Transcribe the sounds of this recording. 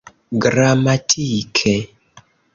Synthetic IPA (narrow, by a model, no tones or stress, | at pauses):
ɡɾamatʰikʰɛ